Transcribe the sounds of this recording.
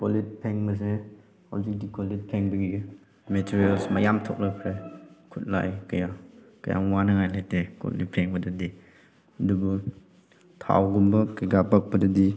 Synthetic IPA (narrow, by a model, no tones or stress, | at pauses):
kolit̚pʰeŋmɐs̬e | ha̰wzik̚dikʰolit̚pʰeŋbiɡi | metʰiɾialsmajamtʰɔ̰k̚lapʰɾekʰut̚la̰jkɐja | ka̰ja̰ŋwanɯŋajlajteko̰lḭt̚pʰeŋbɐdɯdi | ɐdubɔ | tʰa̰wɡumbɐkaɡapak̚bɐdɯdi